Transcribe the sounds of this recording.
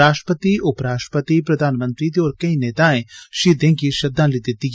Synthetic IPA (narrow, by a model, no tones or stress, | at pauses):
aːʃʈɾəpət̪iʊpɾaːʃʈə̥pət̪ipɾɐd̪ʱaːnmə̃nt̪ɾit̪iɔːɾkɐineːt̪aẽʃiːd̪ẽŋkiʃɐd̪ʱãlɪt̪ɪt̪ːik